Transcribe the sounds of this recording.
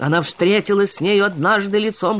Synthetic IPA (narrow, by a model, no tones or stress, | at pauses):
ɐ̰nafst̪ɾʲetʲɪlˠəsʲsʲnʲejʊɐd̪naʐd̪ɨlʲɪt̪som